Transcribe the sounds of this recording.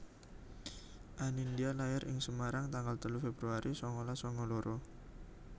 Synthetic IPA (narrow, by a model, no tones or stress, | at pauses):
ʔanindialajaɾʔɪ̰ŋsəmaɾaŋt̪aŋɡalt̪əlufebɾuaɾisɔŋɔlasɔŋɔloɾʔo